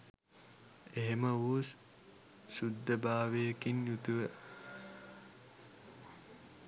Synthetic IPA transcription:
eɦeməʋuːs | sud̪ːɐbaːʋeːkinjut̪uʋe

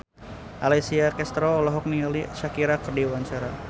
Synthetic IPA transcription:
ʔalɛsiakɛst̪ɾɔːlɔɦɔk̚nialiʃakiɾakərdiwaɲt͡ʃaɾa

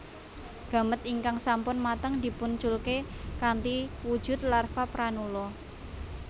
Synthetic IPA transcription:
ɡ̥ä̤mət̪iŋkaŋsampʊnmat̪əŋd̪i̤punt͡ʃʊlkekant̪iwud̥ʒ̥ʊ̤t̪larfapɾanulɔ

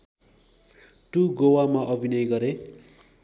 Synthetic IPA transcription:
ʈuɡowamaʔʌbʱinʌjɡʌɾe

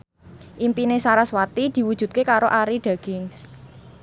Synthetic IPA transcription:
ʔimpinesaɾaswat̪id̪̥i̤wud̥ʒ̥ṳt̪̚kekaɾoʔaɾiɖ̪̥a̤ɡ̥ɪŋs

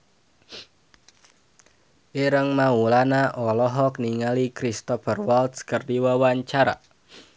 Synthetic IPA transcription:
ʔiɾəŋmaulanaʔɔlɔɦɔk̚niŋalikɾist̪ɔfərwalt̪skərdiwawaɲt͡ʃaɾa̰

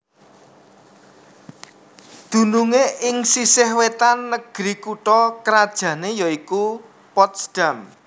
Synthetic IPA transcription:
d̪̥ṳnuŋeʔɪŋsisɪhwet̪anːəɡ̥ɾikuʈɔkəɾad̥ʒ̥ä̤nejɔiku | pɔt̪sd̥am

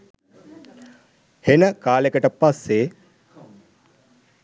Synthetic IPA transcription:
henəkaːlekəʈəpasːe

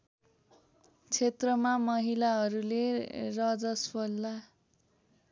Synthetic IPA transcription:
t͡sʰet̪rʌmamʌɦilaɦʌɾulerʌd͡zʌspʌlːa

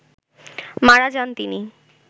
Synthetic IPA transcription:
maɽad͡ʑant̪ini

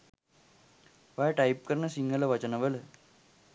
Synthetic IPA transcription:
ʋaʈɐjp̚kəɾɳəsiŋɡələʋɐt͡ɕənɐʋələ

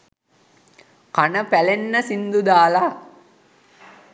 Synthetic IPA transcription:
kanəpælenːəsind̪ud̪aːla

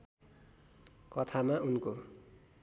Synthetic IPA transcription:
kʌt̪ʰamaunko

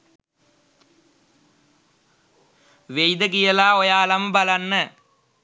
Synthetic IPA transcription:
ʋejd̪ɐk̬ɪjɐlaːɔjaːlɐmbɐlɐnːɐ

